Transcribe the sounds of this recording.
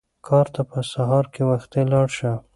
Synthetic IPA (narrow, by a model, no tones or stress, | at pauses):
kʰɑɾt̪apəsaɦɑɾkewaxt̪elɑɽʃə